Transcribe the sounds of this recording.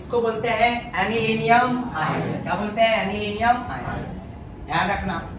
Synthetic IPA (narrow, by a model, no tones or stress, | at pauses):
ɪskoboːlt̪eɦɛ̃ɛnilinijəmaːɦekjaːboːlt̪eɦɛ̃ɛniliːnijəmaːjḛ̃ | jaːnɾɐkʰnaː